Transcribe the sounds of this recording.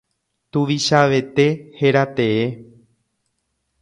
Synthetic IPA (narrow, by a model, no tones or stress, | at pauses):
t̪ũʋiʃaʋe̞t̪e̞he̞ɾat̪e̞e